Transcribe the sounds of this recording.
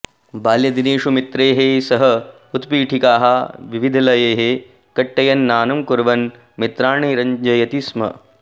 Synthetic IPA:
baːljɐd̪ineːʃumit̪ɾeːɦesɐɦɐ | ut̪piːʈʰikaːɦɐʋiʋid̪ʱɐlɐjeːɦe | kɐʈːɐjɐnːaːnɐmkuɾʋɐn | mit̪ɾaːɳiːɾɐɲd͡ʒɐjɐt̪ismɐ̰

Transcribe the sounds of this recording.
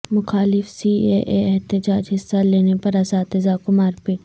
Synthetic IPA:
mʊxaːlɪfsiːeːʔeɛɦt̪ɪd͡ʒaːd͡ʒɦɪsːaleːnepɐɾaːsaːt̪ɪzakʊmaːɾpeː

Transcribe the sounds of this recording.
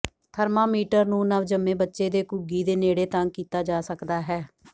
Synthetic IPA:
t̪ʰəɾmãːmiːʈəɾnũːnəʋd͡ʒəmẽːbətːʃeːd̪eːkʊɡiːd̪eːneːɽeːt̪ãŋkiːt̪aːd͡ʒaːsəkd̪aːɦɛː

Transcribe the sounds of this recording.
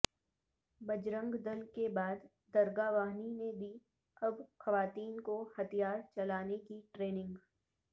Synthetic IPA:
bɐd͡ʒɾə̃ŋɡd̪ɐlkebaːd̪ | d̪ɐɾɡaːʋaːɦnined̪iː | ɐbxɐʋaːt̪iːnkohɐt̪ʰijaːɾt͡ʃɐlaːnekiʈɾeːnɪ̃ŋɡ

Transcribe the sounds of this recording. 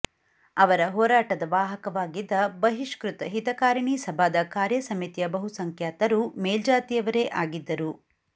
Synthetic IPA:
ɐʋɐɾɐɦɔːɾaːʈɐd̪ɐʋaːɦɐkɐʋaːɡid̪ːɐbɐɦiʃkɾut̪ɐɦit̪ɐkaːɾɐɳisɐbʱaːd̪ɐkaːɾjɐsɐmit̪ijɐbɐɦusɐŋkʰjaːt̪ɐɾumeːld͡ʒaːt̪ijɐʋɐɾeːʔaːɡid̪ːɐɾu

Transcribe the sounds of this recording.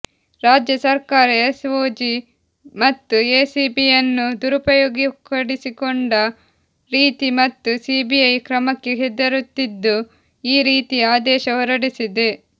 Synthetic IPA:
ɾaːd͡ʒjɐsɐɾkaːɾɐesʋoːd͡ʒi | mɐt̪ːueːsiːbijɐnːud̪uɾupɐjoːɡikɐɽisikoɳɖɐ | ɾiːt̪imɐt̪ːusiːbijɐjkɾɐmɐkːeɦed̪ːɐɾut̪ːid̪ːu | iːɾiːt̪iaːd̪ɛːʃɐʋɐɾɐɽisid̪e̞

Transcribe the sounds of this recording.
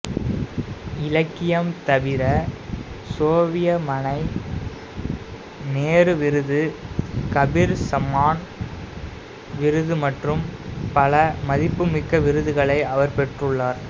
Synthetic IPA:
ɪlɐkːɪjɐmt̪ɐʋɪɾɐ | soːʋɪjɐmɐnɐɪ | neːrɯʋɪɾɯðɯkɐbɪɾsɐmaːn | ʋɪɾɯðɯmɐʈrɯmpɐlɐmɐðɪpːɯmɪkːɐʋɪɾɯðɯɣɐɭɐɪʔɐʋɐɾpɛʈrɯɭːaːɾ

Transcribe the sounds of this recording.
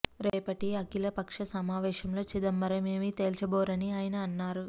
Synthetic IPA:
ɾeːpɐʈiɐkilɐpɐkʂɐsɐmaːʋɛːʃɐmlo̞ːt͡ʃid̪ɐmːɐɾɐmeːmit̪eːlt͡ʃɐboːɾɐniaːjɐnɐːnːaːɾu

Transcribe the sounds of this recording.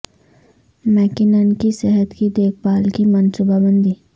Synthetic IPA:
mɛːkɪnənkisɛɦət̪kid̪eːkʰbaːlkimənsʊbabə̃nd̪i

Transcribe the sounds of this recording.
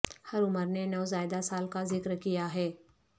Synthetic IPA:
hɐɾʊməɾnenɐʋzaːjd̪asaːlkazɪkɾkijaɦɛː

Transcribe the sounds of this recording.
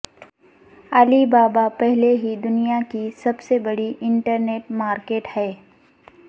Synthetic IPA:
alibaːbapɛɦleɦid̪ʊnijakisɐbsebɐɽiʔɪ̃ɳʈəɾneːʈmaːɾkeːʈhɛː

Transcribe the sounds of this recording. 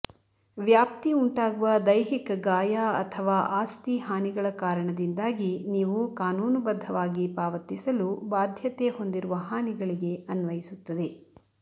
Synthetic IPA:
ʋjaːp̚t̪iuɳʈaːɡuʋɐd̪ɐjɦikɐɡaːjaːɐ̰t̪ʰɐʋaːʔaːst̪iɦaːniɡɐɭɐkaːɾɐɳɐd̪ind̪aːɡiniːʋukaːnuːnubɐd̪ʱːɐʋaːɡipaːʋɐt̪ːisɐlubaːd̪ʱjɐt̪eɦo̞nd̪iɾuʋɐɦaːniɡɐɭiɡe̞ɐnʋɐjisut̪ːɐd̪e̞

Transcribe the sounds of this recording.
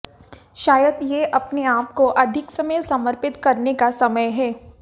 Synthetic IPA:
ʃaːjəd̪jeʔɐpneaːp̚koʔɐd̪ʱɪksɐməjsɐməɾpɪt̪kɐɾnekasɐməjɦɛː

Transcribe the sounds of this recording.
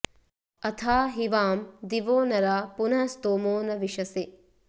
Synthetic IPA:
ɐt̪ʰaːɦiʋaːmd̪iʋoːnɐɾaːpunɐst̪oːmoːnɐʋiʃɐse

